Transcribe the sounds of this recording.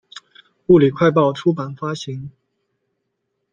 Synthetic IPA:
u˥˩li˨˩kʰwa˥˧ɪpɑ˥˩ʊʈ͡ʂʰu˥pa˨˩nfa˥ɕi˧˥˦ŋ

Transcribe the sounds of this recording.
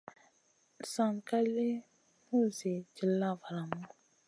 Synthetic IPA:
sa˨ŋka˦li˦ | mu˦ze˨d͡ʒi˨lːa˦˨va˨ɾa˨mu˦

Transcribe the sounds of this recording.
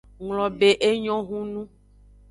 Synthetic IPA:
ŋlɔ̃˨be˦ʔe˦ɲɔ̃˦ɦũ˦nũ˦

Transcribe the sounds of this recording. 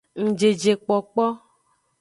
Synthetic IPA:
ŋ̩̃˨d͡ʒe˨d͡ʒe˨k͡pɔ˨k͡pɔ˦

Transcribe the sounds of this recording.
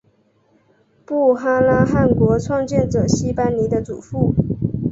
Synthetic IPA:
pu˥˩xa˥la˥xa˥˩nkwɔ˧˥t͡sʰwɑ˥˧ŋt͡ɕjɛ˥˩nt͡sɤ˨˩ɕi˥pa˥nli˧˥d̪ə˧t͡sṵ˨˩fu˥˩

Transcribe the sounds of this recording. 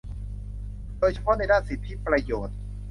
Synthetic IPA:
doː˧jt͡ɕʰa˧pʰɔ˦˥na˧˥jdaː˥˩nsi˨˩t̪ʰːi˦˥pɾa˧joː˨˩t̪̚

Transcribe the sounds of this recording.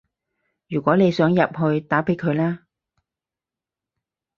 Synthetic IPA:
jyː˨˩kʷɔː˨˥ne˨˧jsœː˨˥ŋjɐ˨p̚ɦɵ˧ɥt̪aː˨˥pe˨˥jkʰɵ˨˧ɥlaː˥

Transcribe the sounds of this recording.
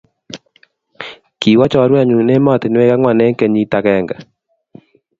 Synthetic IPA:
ki˨wa˦t͡ʃɔ˦ɾwa˦˨ɲu˨ne˦ma˨t̪e˨n˦we˦ka˦ŋwa˨nɛ˦ŋkɛ˨ɲi˦ta˨kɛ˨ŋɡa˨

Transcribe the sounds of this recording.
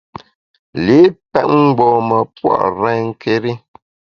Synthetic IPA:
li˨˦pɛ˦t̚ŋ̩˦ɡ͡bɔː˨mə˨pwa̰˦˨ʔɾɛ˦ŋ̩˦kʰe˦ɾi˦

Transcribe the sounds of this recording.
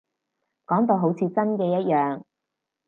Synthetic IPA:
kɔː˨˥ŋt̪̬o˧wɦo˨˥wt͡sʰiː˨˧t͡sɐ˥nkɛː˧jɐ˥t̚jœː˨ŋ

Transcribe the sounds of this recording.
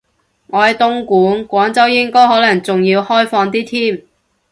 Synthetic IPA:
ŋɔː˨˧hɐ˨jt̪ʊ˧ŋkuː˨˥nkʷɔː˨˥ŋt͡sɐ˥wjɪ˥ŋkɔː˥jhɔː˨˥lɐ˨˩ŋt͡sʊ˨ŋjiː˧whɔː˥jfɔː˧ŋt̪iː˥t̪ʰiː˥m

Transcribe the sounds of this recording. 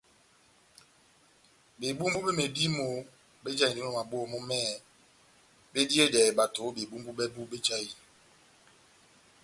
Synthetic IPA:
be˨bu˦m˦bu˦bɛ˦me˨di˦mo˨˦ | be˦d͡ʒa˦˨i˨di˦o˨ma˨bo˦ɔ˦˨mo˦mɛː˦ | be˦di˦e˦dɛ˨ba˨to˨˦be˨bu˦mbu˦bɛ˦bu˦be˦d͡ʒa˦ji˨

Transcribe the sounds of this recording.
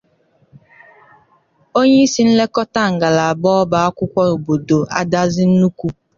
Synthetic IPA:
o˦ɲe˦i˦si˦n̩˦le˦kɔ˦ta˦˨ŋ̩˨ɡa˨la˨a˨bɔː˦ba˨a˦kʷʊ˦kʷɔ˦o˨bo˨do˨ʔa̰˦da˦zɪ˦n̩˦nu˦kʷu˦

